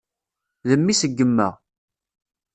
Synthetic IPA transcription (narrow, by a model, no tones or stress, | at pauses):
ðəmːisəɡːəmːə̰ʁ